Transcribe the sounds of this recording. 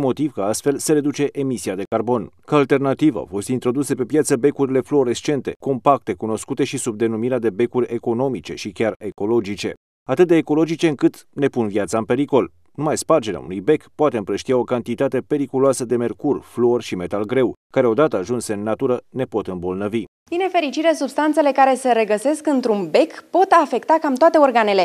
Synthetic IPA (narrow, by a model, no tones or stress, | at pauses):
mo̞t̪ivkəast̪fe̞lseɾe̞d̪ut͡ʃe̞ʔemisiad̪e̞karbo̞nkaalt̪e̞rnat̪iva̰wfo̞st̪int̪ɾo̞d̪use̞pe̞pjat̪səbe̞kuɾile̞flo̞ɾest͡ʃe̞nt̪e̞ko̞mpak̚t̪e̞kuno̞skut̪e̞ʃisub̚d̪e̞numiɾead̪e̞be̞kurʲe̞ko̞no̞mit͡ʃe̞ʃikʲare̞ko̞lo̞d͡ʒit͡ʃe̞̰ | at̪ɨt̪̚d̪eːko̞lo̞d͡ʒit͡ʃe̞ɨŋkɨt̪ne̞punvjat̪saɨmpe̞ɾiko̞l | numajspard͡ʒe̞ɾea̰ṵnujbe̞kpoat̪eɨmpɾəʃt̪iao̞kant̪it̪at̪e̞pe̞ɾikuloasəd̪e̞me̞rkurʲflo̞rʃime̞t̪alɡɾe̞wkaɾe̞o̞d̪at̪əaʒunseɨnːat̪uɾəne̞po̞t̪ɨmbo̞lnəvi | binefe̞ɾit͡ʃiɾesubst̪ant̪se̞le̞kaɾe̞səɾe̞ɡəse̞skɨnt̪ɾunbe̞kpo̞t̪afe̞kt̪akamt̪oat̪e̞orɡane̞le̞